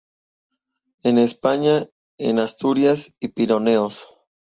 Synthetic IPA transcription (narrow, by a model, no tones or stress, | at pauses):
enespaɲa | ḛnast̪uɾjasipiɾo̞ne̞os